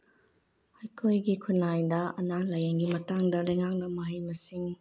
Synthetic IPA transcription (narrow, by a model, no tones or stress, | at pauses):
ɐjkʰojɡikʰunːajdɐɐnalɐjeŋɡimɐtaŋdɐlɐjŋak̚nɐmɐɦɐjmɐsiŋ